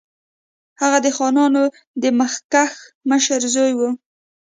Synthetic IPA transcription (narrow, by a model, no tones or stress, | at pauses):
haɣad̪əxɑnɑno | d̪əməxkaxməʃəɾzojwu